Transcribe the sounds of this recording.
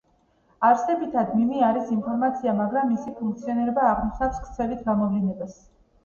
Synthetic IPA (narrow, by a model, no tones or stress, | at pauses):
aɾsɛbit̪ʰad̪mimiaɾisimpʰɔɾmat̪sʰiamaɡɾamːisipʰuŋk̚t̪sʰiɔniɾɛbaːʁmiʃnakskʰt̪sʰɛlit̪ʰɡamɔvlinɛbas